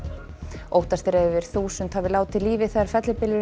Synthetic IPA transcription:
oːwht̪ast̪ɾɛðʏvɪɾ̥θuːsʏnt̪havɪlaːwt̪ʰːɪliːvɪθɛðaɾ̥fɛt̪lʏpɪlʏɾ

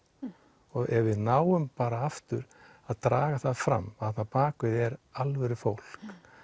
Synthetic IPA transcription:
ɔɣɛvvɪðnaːwʏmpaːɾaaft̪ʏɾ | aðt̪ɾaːɣaθaðfɾa̰mːθɛt̪napaːkvɪðɛɾalvɛɾʏfowl̥k

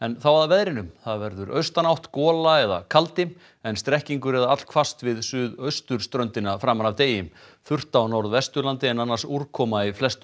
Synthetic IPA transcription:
ɛnθawaðvɛðɾɪnʏmθaðvɛɾðʏɾœ̰ɥst̪anawht̪kɔːlaɛða̰kʰalt̪ɪm | ɛnst̪ɾɛhciŋkʏɾɛðaat̪l̥kʰvast̪vɪðsʏːðœɥst̪ʏɾ̥st̪ɾœnt̪ɪnafɾaːmːanavt̪eːjɪm | fʏr̥t̪awnɔɾðvɛst̪ʏɾlant̪ɪɛnanːḁsuɾkʰɔːmaiflɛst̪ʏ

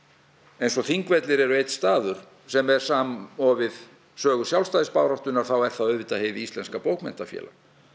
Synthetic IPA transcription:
ejnsɔθiŋkvɛt̪lɪɾɛɾʏejt̪st̪aːðʏɾ̥ | sɛmɛɾ̥saːmɔvɪð | sœːɣʏsjawlst̪aːjðɪspaːwɾawht̪ʏnːaɾ̥θawɛ̥θaœðvɪt̪aheːjðɪist̪lɛnskapowkmɛ̰n̥t̪afjɛ̰ːla

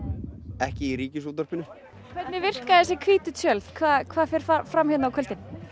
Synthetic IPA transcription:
ɛhcɪiɾiːcɪsut̪ɔɾ̥pɪnʏ | kʰvɛt̪nɪvɪr̥kaðɛs̬jɛkʰviːt̪ʏt̪ʰœlθkʰvaːðkʰvaːðfɛɾ̥fafɾamhʏnawkʰœlt̪ɪn

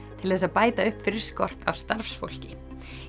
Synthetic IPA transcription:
t̪ʰɪlθɛs̬aðpaːjt̪aʏhpfɪɾɪɾ̥skɔr̥t̪a̰wst̪aɾfsfo̰wl̥cɪ

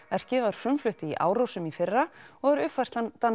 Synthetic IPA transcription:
ɛr̥cɪvaɾ̥fʏmflʏht̪ɪiʔa̰ːwɾowsʏmifɪrːaɔɣɛɾʏfar̥t̪at̪a

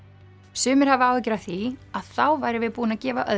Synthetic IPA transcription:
sʏːmɪɾ̥havɪaːwɛcɾaθiaðθawvaːjɾɪvɪðpuːnacɛːvaʔœ̰

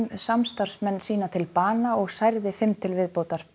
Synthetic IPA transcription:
nsamst̪ar̥smɛnːsiːnat̪ʰɪlpaːnaɔɣsajɾðɪfɪmt̪ʰɪlvɪðpoːwt̪aɾ̥

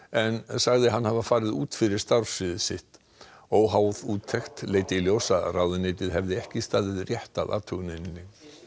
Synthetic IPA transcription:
ɛnsaɣðɪɦanːhavafaːɾɪðṵːt̪fɪɾɪɾ̥st̪aɾ̥sɪðɪsɪht̪ | owɦaːwðuːt̪ʰːɛxt̪leːjt̪ɪljoːwsarawðɪneːt̪ɪðɦɛvðɪɛhcɪst̪aːðɪðrjɛht̪a̰ða̰ːt̪ʰœɣnejnɪnːɪ

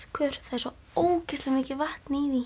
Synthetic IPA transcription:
ðkʰœɾ̥θaðɛɾsɔ | oːwcɪst̪lamɪːcɪvaht̪niði

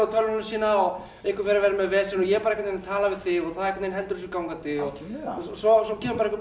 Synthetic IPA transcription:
at̪ʰœlnasiːnaaw | ɪhkɪ̥fɪɾaɾvɛːɾamɛðvɛːsɪnɔjɛpaɾɛkːat̪enat̪ʰaːlavɪðθɪɔθaðɛhkːat̪nejnɦɛlt̪ʏɾs̬ʏkawŋkat̪ɪɔɣsɔsɔcʰɛːmʏpaɾɛhkvʏ

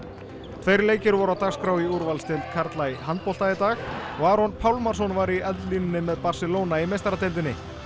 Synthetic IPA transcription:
t̪ʰvejɾleːjcɪɾvɔɾawt̪aɣskɾawiuɾvalst̪ʰɪlt̪kʰaɾt̪lajɦant̪pɔl̥t̪ait̪aːxɔɣaːɾɔnpʰaːwlmaɾ̥sɔnvaɾiœðlinɪnːɪmɛðpar̥sɪloːwnaimejst̪ɾat̪ejlt̪̬ɪnːɪ

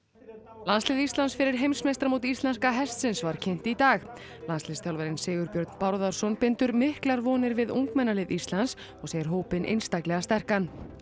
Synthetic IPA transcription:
lanslɪðist̪ansfɪɾɪɾ̥ɦejmsmest̪ɾamuwt̪ist̪lɛnskaɦɛst̪sɪnsvaɾ̥cʰen̥t̪it̪aːx | lanslɪst̪ʰawlvaɾɪnseːɣʏɾpjœɾt̪n̥pawɾðaɾ̥sɔnpɪnt̪ʏɾmɪhklaɾvɔːnɪɾvɪðṵŋkmɛnːalɪðist̪lans | ɔɣseːjɪɾɦoːwpɪnʔḛjnst̪aklɛɣast̪ɛr̥kan

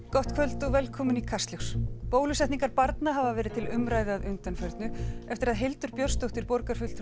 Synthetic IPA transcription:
kɔht̪kʰvœlt̪ɔɣvɛlkʰɔːmʏnikʰast̪lexspoːwlʏsɛht̪niŋkaɾpaɾt̪naɦavavɛːɾɪð̥t̪ʰɪlʏmɾaːjðɪaðʏnt̪anfœɾt̪nʏɛft̪ɪɾaðɦelt̪ʏɾpjœɾ̥st̪ɔht̪ɪɾpɔɾkaɾ̥fʏlt̪

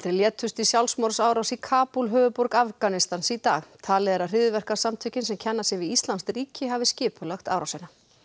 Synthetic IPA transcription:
t̪ɾɪljɛːt̪ʰʏst̪isjawlsmɔɾsaːwɾawsikʰaːpulɦœːvʏpɔɾkafkanɪst̪ansit̪a̰ːxt̪ʰaːlɛðɛɾar̥ɪðʏvɛr̥kḁsamt̪ʰʏcɪnsɛmcʰɛnːasɪvɪist̪lanst̪ɾiːcɪɦavɪscɪːpʰʏlaxt̪a̰wɾawsɛna

